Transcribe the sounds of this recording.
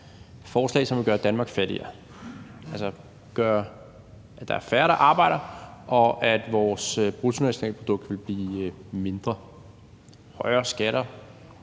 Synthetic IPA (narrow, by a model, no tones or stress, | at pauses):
fɒːslɛ̰ɪsɒ̽mʋe̝ɡ̥ɶːɐd̥ænmɑ̈ːɡ̥fæɾ̥ḭɐ | ælsə | ɡ̥ɶːɐ | æ̥ɑ̈æɐfæɐɾɑ̈ʔɑ̈ːb̥ɑ̈ɪ̰ɾ̥ɐʔɒ̽ʔæd̥ʋɒːsøb̥ʁut͡sʰunæɕo̝nɛ̰ːləpʰʁod̥ɔ̽ɡ̥̚d̥ʋe̝lb̥liːme̝nd̥ʁɐ | hɒɪɐːsɡ̥æɾ̥ɐ